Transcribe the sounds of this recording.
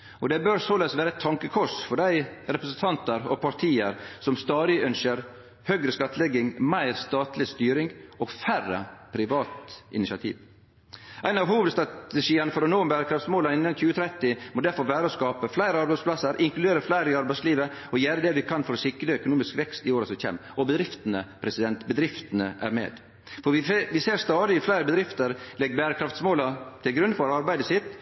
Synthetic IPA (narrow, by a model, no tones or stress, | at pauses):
ɔd̪ɛbøɾsɔlɛsʋæːɾəɛt̪ʰːɑŋkəkʰɔʂfɔɖæɪɾɛpɾəsənt̪ʰɑnt̪əɾɔ̰pʰɑɾt̪ʰiːəɾsɔmst̪ɑːd̪ɪœnʃəɾ | hœɡɾəskɑt̪ːəlɛɡɪŋmæɪɾst̪ɑːt̪lɪst̪yːɾɪŋɔɡfærə̰pʰɾɪʋɑːt̪ɪ̰nɪsɑt̪ʰḭːʋ | ʔæɪnɑʋhuːʋəd̪st̪ɾɑt̪əʂiːənəfɔɾɔnoːmbæːɾəkʰɾɑft̪smoːlənɪnːənçʉːət̪ʰɾɛt̪ːɪmɔd̪æɾfɔɾʋæːɾəɔskɑːpəflæɪɾəɑɾbæɪspʰlɑsəɾʔɪŋklʉd̪eːɾəflæɪɾəɪɑɾbæɪsliːʋəɔjæːɾəd̪ɛʋɪkʰɑnfɔɾɔsɪkːɾəœkʊnuːmɪskʋɛkst̪ɪoːɾəsɔçɛ̰ːmɔbəd̪ɾɪft̪ənəpʰɾɛsɪd̪ɛnt̪bəd̪ɾɪft̪ənəʔæ̰ɾmḛːd̪ | fɔɾʋɪʋɪseːɾst̪ɑːd̪ɪɪflæɪɾəbəd̪ɾɪft̪əɾlɛɡbæːɾəkʰɾɑft̪smoːlɑt̪ʰɪlɡɾʉnd̪fɔɾɑɾbæɪd̪əsɪt̪